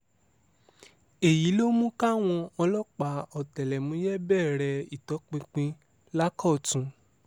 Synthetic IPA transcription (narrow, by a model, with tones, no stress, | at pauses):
e˨ji˨˦lo˦mũ˦ka˦˨w̃ɔ̃˧ɔ˧lɔ˦k͡pa˨˧ɔ˨tɛ˨lɛ˨mũ˨˦jɛ˦bɛː˦˨ɾɛ˧i˨tɔ˨˦k͡pĩ˧k͡pĩ˧ | la˦kɔ˦˨tũ˧